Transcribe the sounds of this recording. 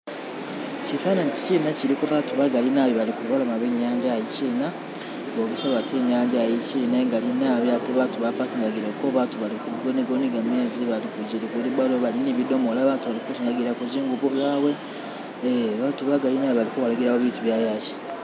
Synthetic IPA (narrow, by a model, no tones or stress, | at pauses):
cifanaɲci̥ciːnaciɾikoβatuβaɡalinaːβjoβalikulβalomaβeɲːaːɲɟajiciːna | ɡoɡisoβatʰeɲaːɲɟajicineŋɡalinaβiateβatuβapakuŋɡaɡiɾokoβatuβalikuɡoniɡoniɡameːziβalikuɟiɾikuliβaloβaliniβido̞molaβatuβalikut͡ʃiaɡiɾakuziːŋɡuβuβjaːβwe̞ | eβatuβaɡalinaβoβalikowalaɡiɾawoβituβjaːjaci̥